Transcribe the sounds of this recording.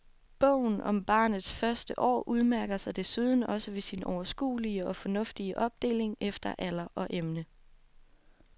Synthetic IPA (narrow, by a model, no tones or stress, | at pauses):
b̥ɔ̰ʊ̰n̩ʔɒ̽mb̥ɑ̰̈ːnð̞̩ˠsfɶɐsd̥əʔɒ̰ːʔuð̞ˠmæɐɡ̥ɐsɑ̈ɪd̥e̝suðˠn̩ɒ̽səʋe̝sinɒʊɐsɡ̥ṵːliəɒ̽fɒ̽nɔ̽fd̥iəʔɒ̽b̥̚d̥e̝̰ːle̝ŋefd̥ɐʔæl̰ɐʔɒ̽ʔemnə